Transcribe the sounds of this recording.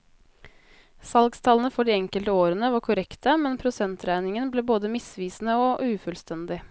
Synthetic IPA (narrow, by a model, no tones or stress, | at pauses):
sɑlɡst̪ʰɑːlənəfɔɖiːɛŋkəlt̪əoːɾənəʋɑkʰʊɾɛkt̪əmɛnpʰɾʊsɛnt̪ɾæɪnɪŋənbleːboːd̪əmɪsʋiːsn̩əoːʔʉːfʉlst̪ɛnd̪ɪ